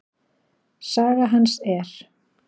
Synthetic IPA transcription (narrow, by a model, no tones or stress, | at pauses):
saːɣaɦansɛɾ̥